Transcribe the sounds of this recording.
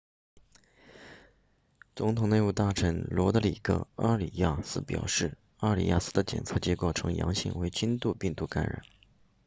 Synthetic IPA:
t͡sʊ˧˥ŋt̪ʰʊ˨˩ŋne˥˧ɪpu˥˧˩t̪a˥˩ʈ͡ʂʰə˧˥nlwɔ˧˥t̪ə˧˥li˨˩kɤ̰˥˧ɑ˥˩li˨˩ja˥˩sɹ̩˥pjɑ̰˨˩ʊʂɻ̩˥˩ | ɑ˥˩li˨˩ja̰˥˩sɹ̩˥d̪ə˧t͡ɕjɛ̰˨˩nt͡sʰɤ˥˩t͡ɕjɛ˧˥ko˥˩ʊʈ͡ʂʰɤ˧˥ŋjɑ̰˧˥ŋɕḭ˥˩ŋwe˧˥ɪt͡ɕy˥nt̪u˥˧pi˥˧ŋt̪u˥˩ka˧˥nɻa̰˨˩˦n

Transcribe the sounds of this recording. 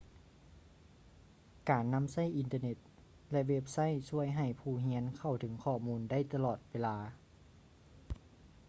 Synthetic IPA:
kaː˨˩nːa˧˥˨msa˥˩jʔi˨˧nt̪ɤː˧ne˧˩t̪̚ | lɛ˧ʔwe˧˥p̚sa˥˨jsu˧˥˩əjɦa˨˩jpʰuː˧˩ɦi˧˥ənkʰa˧˩wt̪ʰɯ˩˦ŋkʰɔː˧˩muː˧˥nda˥˩jt̪a˧lɔː˨˩t̪̚weː˧laː˧

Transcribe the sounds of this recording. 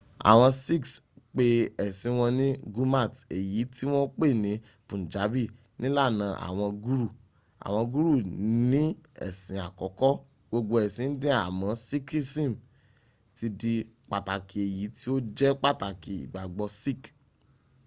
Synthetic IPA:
a̰˨w̃ɔ̃˧si˦ksk͡pe˧ɛ˨sĩ˨˧˦w̃ɔ̃˧nĩ˦ɡu˦ma˦˨te˨ji˨˦ti˦w̃ɔ̃˦k͡pe˦˨nĩ˨˦ | pũ˨n̩˨d͡ʒa˨˦bi˦˨ | nĩ˦la˦˨nã˨˧˦ʔa̰˨w̃ɔ̃˧ɡu˦ɾu˦˨ | a̰˨w̃ɔ̃˧ɡu˦ɾu˦˨nĩ˦ɛ̰˦˨sĩ˨˦a˨kɔ˨˦kɔ˦ | ɡ͡bo˧ɡ͡bo˧ɛ˨sĩ˨˧n̩˦dɛ̃˦a̰˦˨mɔ̃˧si˦ki˦sĩ˦˨m˨ | ti˧di˧k͡pa˨ta˨ki˨e˨ji˨˦ti˦o˦d͡ʒɛ˦k͡pa˦˨ta˨ki˨ḭ˨ɡ͡ba˨ɡ͡bɔ˧si˦˨k

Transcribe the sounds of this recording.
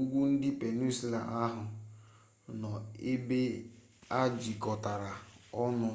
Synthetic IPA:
u˦ɡʷu˦n̩˦dɪ˦pe˨nu˦si˦la̰˨ʔa˦ɦʊ˨ | nɔ˨e˦be˦ | a˦d͡ʒi˨kɔ˨ta˨ɾa˨ɔ˦nʊ˨

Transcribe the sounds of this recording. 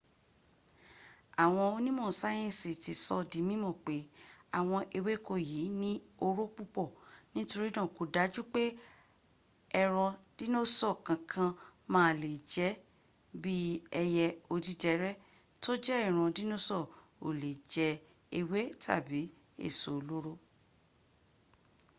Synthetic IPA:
a˨w̃ɔ̃˧o˧nĩ˦mɔ̃˦˨sa˦j̃ɛ̃˦˨si˨ti˨sɔ˧dĩ˨˦mĩ˦mɔ̃˦˨k͡pe˨˦a˦˨w̃ɔ̃˧ʔe˧we˦˨ko˧ji˨˦nĩ˦o˧ɾo˦k͡pu˦k͡pɔ˦˨nĩ˦to˧ɾi˦dã˦˨ko˨˧da˨˦d͡ʒu˦k͡pe˦ | ɛ˧ɾ̃ɔ̃˧d̥i˦no˦sɔ˦˨kã˨kʰã˧mãː˦˨le˨d͡ʒɛ˨˦ | bi˦ɛ˧jɛ˧o˧di˦d͡ʒɛ˨˧˦ɾɛ˦ | to˦d͡ʒɛ˦ɛ˦˨ɾ̃ɔ̃˧di˦nõ˦sɔ˦˨ | o˨le˨d͡ʒɛ˨˦ | e˧we˦tʰa̰˦˨bi˨˦ | ḛ˦˨so˨˧lo˦ɾo˦

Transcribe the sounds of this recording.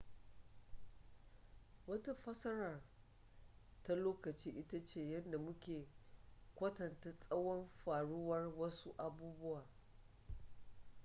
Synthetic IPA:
wɐ˦ta˦ɸɐ˦sɐ˦ɾɐ˨r | ta˦loː˦kɐ˨t͡ʃiː˦ʔɪ˦ta˦t͡ʃeː˨jɐ˦nda˨mʊ˦kʲeː˨kʷɐ˦tɐ˨nta˦sʼɐ˦wɔ˦mɸaː˨ɽʊ˦wɐ˦rwɐ˦su˦ʔa˨buː˦bʊ˦waː˨

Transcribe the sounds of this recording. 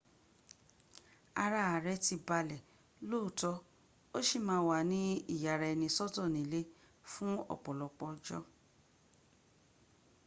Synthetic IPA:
a˧ɾa˦a˨ɾɛ˦ti˧ba˧lɛ˨ | lo˦˨tɔ˧ | o˦ʃi˦˨mãː˦wa˨nĩ˦i˦˨ja˨ɾa˨ɛ˧nĩ˧sɔ˦tɔ̃˦˨nĩ˨˦le˦ | fũ˦ɔ̰˦˨k͡pɔ˨lɔ˨k͡pɔ˧d͡ʒɔ̰˦

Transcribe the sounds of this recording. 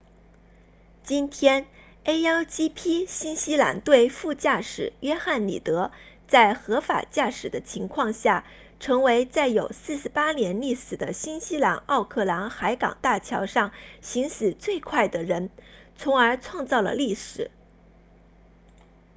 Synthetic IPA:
t͡ɕi˥nt̪ʰjɛ˥n | e˥ɪa˥t͡ɕi˥pʰi˥ɕi˥nɕi˥la̰˧˥nt̪we˥˧ɪfu˥˧t͡ɕja˥˩ʂɻ̩˨˩ɥɛ˥xa˥˩nlḭ˨˩t̪ɤ˧˥ | t͡sa˥˩ɪxɤ˧˥fa̰˨˩t͡ɕja˥˩ʂɻ̩˨˩d̪ə˦t͡ɕʰi˧˥ŋkʰwɑ˥˧ŋɕja˥˩ | ʈ͡ʂʰɤ˧˥ŋwe˧˥ɪt͡sa˥˩ɪjo˨˩ʊsɹ̩˥˩ʂɻ̩˧pa˥njɛ˧˥nli˥˩sɹ̩˨˩d̪ə˦ɕi˥nɕi˥la̰˧˥nɑ˥˧ʊkʰɤ˥˩la˧˥nxa˧˥ɪkɑ̰˨˩ŋt̪a˥˩t͡ɕʰjɑ˧˥ʊʂɑ˥˩ŋɕi˧˥ŋɕɹ̩˨˩t͡swe˥˧ɪkʰwa˥˩ɪd̪ə˩ɻə˧˥nt͡sʰʊ˧˥ŋə˞˧˥t͡sʰwɑ˥˧ŋt͡sɑ˥˩ʊlə̰˩li˥˩ʂɻ̩˨˩˦

